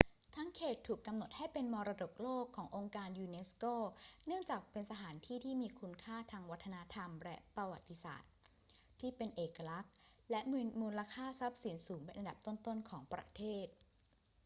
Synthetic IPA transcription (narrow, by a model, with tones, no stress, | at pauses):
t̪ʰa˦˥ŋkʰeː˨˩t̪ʰːuː˨˩kːa˧mno˨˩t̪̚ha˥˩jpe˧nmɔː˧ɾa˧do˨˩k̚loː˥˩kʰːɔː˩˦ŋʔo˧ŋkaː˧njuː˧ne˦˥skoː˥˩nɯ˥˩əŋt͡ɕaː˨˩k̚pe˧nsa˧t̪ʰaː˩˦nt̪ʰiː˥˩t̪ʰiː˥˩miː˧kʰu˧nkʰaː˥˩t̪ʰaː˧ŋwa˦˥t̪ʰːa˧na˦˥t̪ʰa˧mlɛ˦˥ʔpɾa˧wa˨˩t̪ːi˧˥sa̰ː˨˩t̪̚ʰː | iː˥˩pe˧nʔeː˨˩kːa˧la˦˥k̚ | lɛ˦˥ʔmuː˧nlaː˧kʰaː˥˩sa˦˥p̚si˩˦nsuː˩˦ŋpe˧nʔa˧nda˨˩p̚t̪o˥˩nt̪o˥˩nkʰɔː˩˦ŋpɾa̰˧˥t̪ʰeː˥˩t̪̚